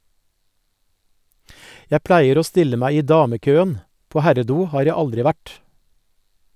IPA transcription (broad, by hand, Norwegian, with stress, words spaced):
ˈjæ ˈplæɪəɾ ˈoː ˈstɪlə ˈmæɪ ˈiː ˈdɑːməˌkøːən ˈpoː ˈhæɾəˌduː ˈhɑːɾ ˈjæ ˈɑldɾɪ ˈʋæʈ